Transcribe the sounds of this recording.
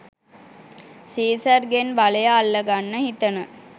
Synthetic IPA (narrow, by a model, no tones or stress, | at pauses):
siːsərɡenbaləjaːlːəɡanːəhit̪ənə